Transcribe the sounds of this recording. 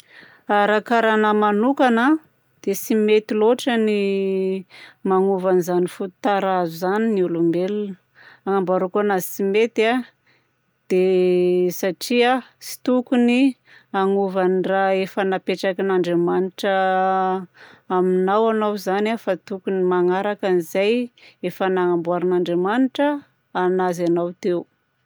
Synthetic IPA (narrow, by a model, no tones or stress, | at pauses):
aɾakaɾanəmanukana | d̪̥esimet̪iloʈ͡ʂəni | maŋuvanizanifut̪u̥t̪aɾazuzaniniulumbelunə̥ | aŋambaɾukanasimet̪a | d̪̥e | saʈ͡ʂiasi̥t̪ukuni | aŋuvaniraefənapeʈ͡ʂakinaɳɖ͡ʐemaniʈ͡ʂə | minawanawzanafat̪ukunimaŋaɾakanizajefənaŋambuaɾinaɳɖ͡ʐemaniʈ͡ʂə | anazanawt̪eu